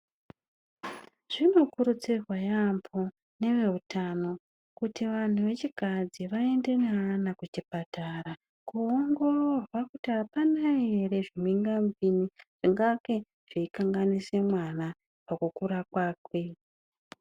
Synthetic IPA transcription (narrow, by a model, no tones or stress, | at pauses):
ʐ̥ino̞kuɾut͡sirwajampʰo | ne̞ʋe̞utano̞ | kutiʋan̤uʋe̞t͡ʃikad͡ziʋae̞nde̞nanakut͡ʃipataɾa | kuoŋɡo̞rorwakutiɦapanaere̞ʐimiŋɡamviniʐ̥iŋɡake̞ | ʐ̥iikaŋɡanise̞mwana | pakukuɾakwaːkwe̞